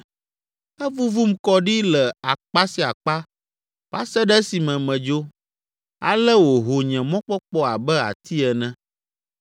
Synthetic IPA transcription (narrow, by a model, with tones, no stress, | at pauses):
ɛ˦vu˦vu˦m˦kɔ˦ɖi˦lɛ˨a˨k͡pa˦si˨˦a˨k͡pa˦ | va˦sɛ˦ɖɛ˦si˨mɛ̃˨mɛ̃˨d͡ʒo˦ | a̰˨lɛ˦wo˨ɦo˨ɲɛ̃˨mɔ̃˦k͡pɔ˦k͡pɔ˦a˨bɛ˦a̰˨t̪ʰi˦ɛ˨nɛ̃˦